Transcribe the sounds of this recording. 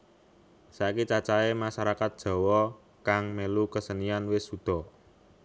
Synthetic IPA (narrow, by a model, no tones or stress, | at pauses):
sakit͡ʃat͡ʃaemasaɾakat̪̚d̥ʒ̥ɔ̤wɔ | kaŋmelukəsənianwɪsud̪̥ɔ̤